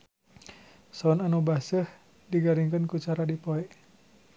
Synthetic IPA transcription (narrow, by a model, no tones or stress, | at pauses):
sɔnanubasəh | diɡaɾiŋkənkut͡ʃaɾadipɔɛʔ